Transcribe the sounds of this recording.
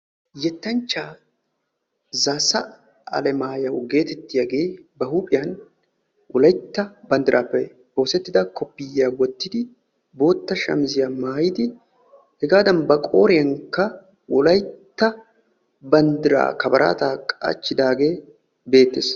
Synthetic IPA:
jɛt̪ːɐnt͡ʃːaː | zaːsɐ | ɐ̰lɛmaːjɐwɡe̞ːt̪ɛt̪ːɪjɐɡe̞ːbɐhuːpʼɪjɐn | wʔɔlɐjt̪ːɐbɐnd̪ɪɾʔaːpːɛ | boːsɛt̪ːɪd̪ɐkɔpːɪjːaːwɔt̪ːɪd̪ɪ | bo̞ːt̪ːɐʃɐ̰mzɪjamaːjɪd̪ɪ | hɛɡaːd̪ɐnbɐkʼo̞ːɾɪjɐŋkɐ | wɔlɐjt̪ːɐ | bɐnd̪ɪɾa̰ːkɐbɐɾʔa̰ːt̪aːkʼa̰ːt͡ʃːɪd̪aːɡe̞ː | be̞ːt̪ːes

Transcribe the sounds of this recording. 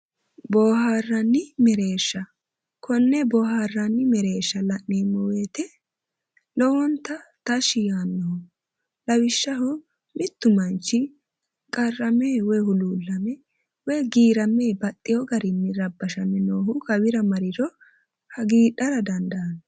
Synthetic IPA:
bɔːhaːrːɐnːɪmɛɾe̞ːʃːɐ | kʰɔnːɛbɔːhaːrːɐnːɪmɛɾe̞ːʃːɐlɐʔniːmːɔweːt̪ɛ | lɔwɔnt̪ːɐt̪ɐʃɪjaːnːɔhɔ | lɐwɪʃːɐɦɔ | mɪt̪ːʊmɐnt͡ʃːɪ | kʼɐrːɐmeːwɔjhʊluːlːɐmɛ | wɔjɡiːɾɐme̞ːbɐt̪ʼːɪjɔɡɐɾɪnːɪɾɐbːɐʃɐmːɛnoːhʊkɐwɪɾɐmɐɾɪɾɔ | hɐɡiːᶑɐɾɐd̪ɐnd̪ɐɐn

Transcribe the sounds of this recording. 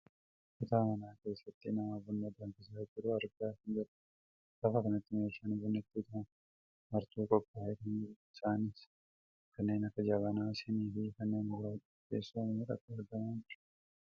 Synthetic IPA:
ʔɪt̪aːmɐnaːke̞ːsːɐt̪ːɪnɐmaːbʊnːɐd̪ɐŋkɪsaːd͡ʒɪɾʊɐɾɡaːhɪnd͡ʒɐɾɐ̥ | ɡɐfɐkɐnɐt̪ːɪmeːʃɐnbʊnːɐt̪ːɪːt̪aːn | mɐɾt̪uːkʼɔpʼːaːhet̪ɐnɪsaːnɪs | kʰɐnːe̞ːnɐkːɐd͡ʒɐβɐnaːsɪniːfɪkɐnːeːnɡʊɾaːt͡ʃ | kːḛːsːuɐmɪɪɾɐ̰kːɐɐɾɡɐmaːnd͡ʒɪɾ̥

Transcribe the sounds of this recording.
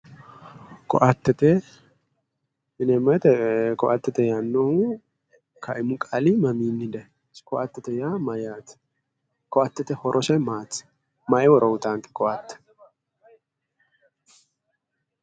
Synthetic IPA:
kɔʔɐt̪ːɛt̪ɛ | ɪnɛmɐt̪ɛkɔʔɐt̪ːɛt̪ɛjanːohu | kʰɐʔɪmʊkʼalimɐmiːnːɪd̪ɐ | skɔʔɐt̪ːɛt̪ɛjamɐjat̪ | kɔʔɐt̪ːɛt̪ɛhɔɾʔɔsɐjmaːt͡sː | mɐʔɛwɔɾʔɔwʊt̪aːŋkʼɛ̥kɔʔɐt̪ːɛ̥

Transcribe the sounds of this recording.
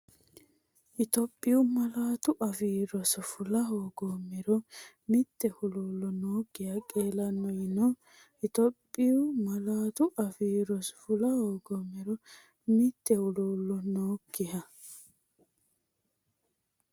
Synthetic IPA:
ʔɪt̪ɔpʼːɪjʊmɐlaːt̪ʊʔɐfiːɾɔsɔfʊlɐɦoːɡɔmːɛɾɔ | mɪt̪ːɛhʊluːlːɔnoːkːɪhɐkʼeːlɐnːɔjɪnɔ | ɪt̪ɔpʼːɪjʊmɐlaːt̪ʊʔɐfiːɾɔsfʊlɐhoːɡɔmːɛɾɔ | mɪt̪ːɛhʊluːlːɔnoːkːɪhɐ

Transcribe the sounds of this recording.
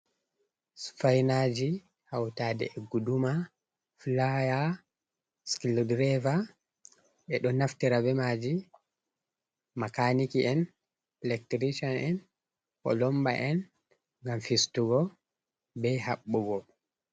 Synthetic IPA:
sfajnad͡ʒi | hawtaːdɛ̰ɛɡuduma | flaja | skildɾɛva | ɓɛɗɔnaftiɾabɛmaːd͡ʒi | makanikiɛn | plɛktɾiʃɔnɛn | kɔ̰lɔmba̰ʔɛn | ŋɡamfistuɡɔ | bɛhaɓːuɡɔ

